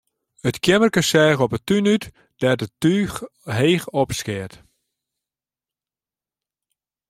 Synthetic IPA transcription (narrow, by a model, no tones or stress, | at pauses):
ətkʰjɛmərkəsɛːɣɔpətynyt | d̥ɛtətyːxɦeːxɔpskɪət